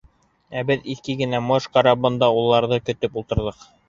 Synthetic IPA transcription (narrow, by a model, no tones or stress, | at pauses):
æbɘðikɘɡɘ̆næmoʃqɑɾɑbɤ̆nd̪ɑulˠːɑɾðɤkɵ̆t̪ɵpulˠt̪ɤ̆ɾðɤq